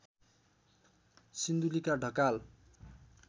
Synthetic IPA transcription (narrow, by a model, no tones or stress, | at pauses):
sind̪ulikaɖʱʌkal